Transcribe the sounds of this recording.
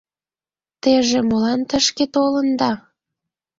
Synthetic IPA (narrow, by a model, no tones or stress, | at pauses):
t̪eʒemolɑnt̪əʃket̪olənd̪ɑ